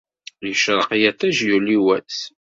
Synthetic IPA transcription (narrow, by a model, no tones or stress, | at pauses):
jəʃɾˤəqijæt̪ːæʒjuliwæ̰s